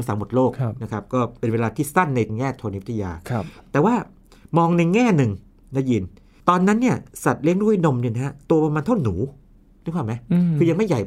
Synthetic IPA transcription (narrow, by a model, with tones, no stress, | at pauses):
msa˨˩˦mo˨˩t̪̚loː˥˩k̚na˦˥kʰa˦˥p̚kɔː˥˩pe˧nweː˧laː˧t̪ʰiː˥˩sa˥˩nːa˧jŋɛː˥˩t̪ʰo˧n˦˥t̪ʰa˧ja̰ː˧t̪ɛː˨˩waː˥˩ | mɔː˧ŋna˧jŋɛː˥˩nɯ˧ŋ | na˦˥ji˧n | t̪ɔː˧nːa˦˥nːi˥˩ɐsa˨˩t̪̚li˦˥˩əŋɾu˥˩˨jno˧mni˥˩na˦˥hɦa˦˥t̪u˧ɐpa˧maː˧nt̪ʰwnuː˩˦˧ | kʰaː˨˥˩ma˦˥jkʰɯː˧ja˧ŋma˥˩ja˨˩j